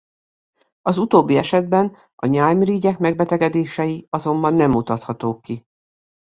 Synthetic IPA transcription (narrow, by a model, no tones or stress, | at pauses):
ɒzut̪oːbːiɛʃɛd̪̚bɛn | ɒɲaːlmiɾiːɟɛkmɛɡ̚bɛt̪ɛɡɛd̪eːʃɛjiɒzo̞mbɒnːɛmːut̪ɒt̪hɒt̪oːkːi